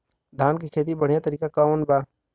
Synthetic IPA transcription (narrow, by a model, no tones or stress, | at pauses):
d̪ʱaːnkikʰeːt̪̬ibəɽ̤ijat̪əɾiːkakaonbaː